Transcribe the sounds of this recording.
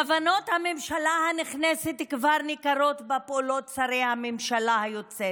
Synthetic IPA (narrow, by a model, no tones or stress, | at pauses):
avano̞t̪hamemʃalahaniχneset̪kvaʁnikaɾo̞t̪bapolo̞t̪̚t͡saɾejhamemʃalahajot͡se